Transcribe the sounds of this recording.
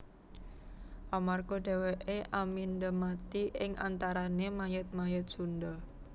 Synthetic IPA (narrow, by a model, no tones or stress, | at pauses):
ʔamarɡoɖ̪̥e̤weʔeʔamind̪əmat̪iʔɪŋʔa̰nt̪aɾanemajət̪̚majət̪̚ʒ̥und̪ə